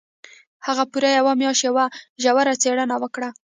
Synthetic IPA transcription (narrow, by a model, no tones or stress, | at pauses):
haɣapuɾajawamjɑʃjawaʒawaɾat͡seɽanawəkɽa